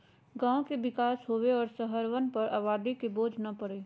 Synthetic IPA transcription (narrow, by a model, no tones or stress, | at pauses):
ɡãːõkeʋɪkaːsɦoːʋeɔːɾsəɦəɾʋənpɐɾaːʋaːd̪ikeboːd͡ʒʱnɐpɐɽeː